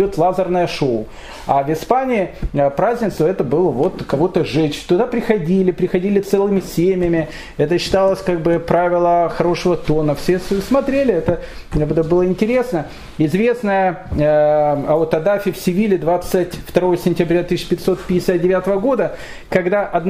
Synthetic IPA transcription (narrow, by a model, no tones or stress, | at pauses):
ot̪lˠazərnəjəʂoʊ | avʲɪspanʲɪːɪəpɾazʲnʲɪt̪sʊɛt̪əbɨlˠəvot̪kɐvo̞t̪əʐɛt͡ɕt̪ʊd̪apɾʲɪxɐdʲilʲɪpɾʲɪxɐdʲilʲɪt̪sɛlˠɨmʲɪsʲemʲɪjəmʲɪ | ɛt̪əɕːɪ̥t̪alˠəsʲkaɡ̚bɨpɾavʲɪlˠəxɐɾo̞ʂəvət̪o̞nəfsʲessmɐt̪ɾʲelʲɪɛt̪ə | bɛt̪əbɨlˠəɪnʲtʲɪɾʲe̞snə | ɪzvʲe̞snəjə | ɐot̪ɐd̪afʲɪfsʲɪvʲilʲɪd̪vat̪sɨtʲft̪ɐɾo̞jəsʲɪnʲtʲɪbɾʲat̪ɨsʲːpʲɪt̪ʲso̞t̪̚pʲɪdʲɪ̥sʲat̪̚dʲɪvʲat̪əvəɡo̞d̪ə | kɐɡd̪aʔɐd̪n